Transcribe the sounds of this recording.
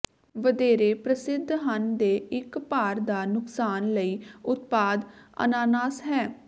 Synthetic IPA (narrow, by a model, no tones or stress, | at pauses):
ʋəd̪eːɾeːpɾəsɪd̪ʱːɦənd̪eːɪkpaːɾd̪aːnʊksaːnləiːʊt̪paːd̪ə̰naːnaːsɦɛː